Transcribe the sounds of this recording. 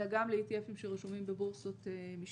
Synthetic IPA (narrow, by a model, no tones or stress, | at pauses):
aɡamleit̪iefimʃeʁeʃumimbebuʁsot̪emiʃ